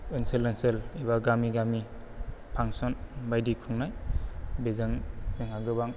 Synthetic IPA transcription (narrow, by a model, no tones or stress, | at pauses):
inselenseleβaɡamiɡami | pʰaŋsɔnbajdikʰuŋnajbezaŋzɯŋhaɡɯbaŋ